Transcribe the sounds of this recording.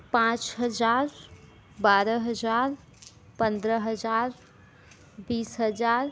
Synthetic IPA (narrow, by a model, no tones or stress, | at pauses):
pãt͡ʃɦəd͡ʒaɾ | baɾəɦəd͡ʒaɾ | pənd̪ɾəɦəd͡ʒaɾ | bisɦəd͡ʒaɾ